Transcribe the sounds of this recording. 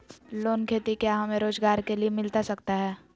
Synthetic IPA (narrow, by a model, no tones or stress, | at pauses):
loːnkʰeːt̪ikjaɦɐmẽɾoːzɡaːɾkeliemɪlt̪asɐkt̪aɦɛː